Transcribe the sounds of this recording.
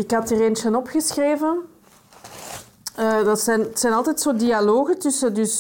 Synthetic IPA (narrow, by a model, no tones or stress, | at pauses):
ɪkɦɑtiːreːnt͡ʃənɔpxəsxreːvən | ədɑtsɛntsɛjnɑlˠtɛtsoːdialoːɣətʏsədʏs